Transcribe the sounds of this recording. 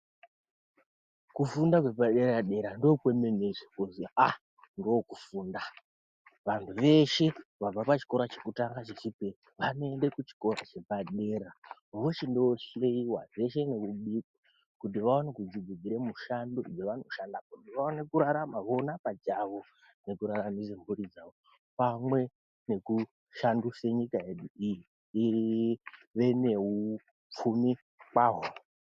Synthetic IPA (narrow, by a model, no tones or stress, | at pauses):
kufundakwe̞paɗe̞ɾaɗe̞ɾandopwememeʐekuzia | ndokufuːnda | ʋantʰuʋe̞ʃe̞ʋab͡vapat͡ʃi̥ko̞ɾat͡ʃekutaŋɡat͡ʃit͡ʃipe | ʋano̞e̞nde̞kut͡ʃi̥ko̞ɾa̰t͡ʃe̞paɗeɾa | ʋoʃendooʃeiwa̰ʐe̞ʃe̞nekuɓiku | kut̬iʋaonekud͡ziɡud͡ziɾemuʃandud͡zeʋano̞ʃandapoiʋaonekuɾaɾamaʋo̞napad͡ʒaʋo̞ | ne̞kuɾaɾamisembuɾid͡zaʋo | pamwe̞ | ne̞ku | ʃanduseɲikae̞ɗuiji | iiʋe̞ne̞u | p͡fumi | kwaːɦo